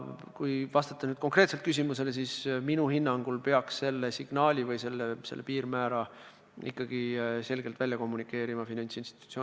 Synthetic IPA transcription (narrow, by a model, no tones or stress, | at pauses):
kujvɑst̪ɑt̪ːˑɑnyːd̪̥̚ko̞ŋkre̞t̪se̞lt̪kys̬ʲimuse̞les̬iːsminuhinːɑŋɡ̥ulpe̞ɑksse̞lːe̞siɡ̥nɑːlʲivɤjse̞lːese̞̰lːḛpiːrmæːɾɑ | ḭkːɑɡ̥ise̞lɡelt̪vælʲjɑko̞mːunikːˑe̞ːɾimɑfinɑnʲsinst̪i̥t̪u̥t̪sjo